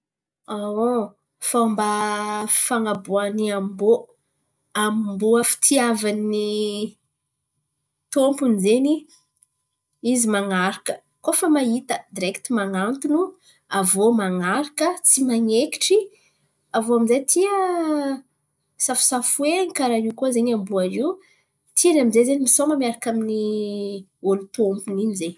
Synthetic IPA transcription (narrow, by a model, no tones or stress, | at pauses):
ao | faamba | faŋabuaniambo | ammbuafi̥t̪ʰiavanːi | t̪ompunizeni | izimaŋaɾakə | kofəmaɦit̪əd̪iɾekt̪imaŋant̪unu | avomaŋaɾakət͡simaŋeki̥ʈ͡ʂi | avoamizejt̪ʰiə | safu̥safuenikaɾaikuzeɲambuaziw | t̪ʰianamizezenimisoməmiaɾakamini | olut̪ompuninize